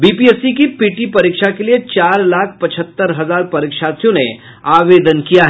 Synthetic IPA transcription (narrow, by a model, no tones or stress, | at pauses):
bipiesikipiʈipɐɾikʃakeliet͡ʃaːɾlaːkʰpɐt͡ʃʰət̪ːəɾɦɐzaːɾpɐɾikʃasjõne | aːʋed̪ənkijaɦɛ